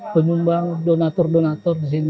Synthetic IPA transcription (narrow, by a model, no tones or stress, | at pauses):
pənumbaŋdonat̪ɔrdɔnat̪ɔris̬in